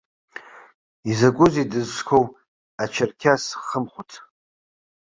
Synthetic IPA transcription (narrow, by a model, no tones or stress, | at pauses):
izaɡʷʼʊzidɨzʂkʷʰow | at͡ʃʰarkʲʰasχəmχʷʊtʰ